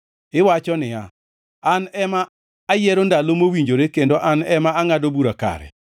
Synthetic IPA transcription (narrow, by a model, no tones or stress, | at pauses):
ɪwat͡ʃɔnɪa | anɛmaː | jɛɾondalomowiɲd͡ʒoɾekendoʔanɛmaaŋadobuɾaka̰ɾɛ̰